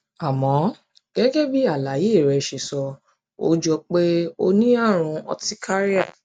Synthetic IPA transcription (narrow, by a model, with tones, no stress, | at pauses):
a˨mɔ̃˨˦ | ɡ̥ɛ˦ɡɛ˦bi˦a˦˨la˨˦ji˨˦e˦˨ɾɛ˨ʃe˨sɔ˧ | o̰˦d͡ʒɔ˧k͡pe˦o˧nĩ˦a˦˨ɾ̃ũ˧ɔ̰˧ti˦kʰa˦ɾi˦a˦˨